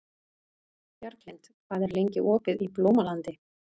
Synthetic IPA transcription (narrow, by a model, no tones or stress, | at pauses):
jœɾk̪lejnt̪ | kvaːðɛɾlejɲcɪʔɔːkɪðiploːwmalant̪ɪ